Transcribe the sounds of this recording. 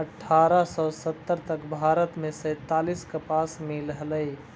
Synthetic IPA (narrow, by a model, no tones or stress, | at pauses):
əʈʰːaːɾasɔsət̪ːəɾt̪əkbʱaːɾət̪mẽsə̃ːt̪aːliskəpaːsmɪlɦələi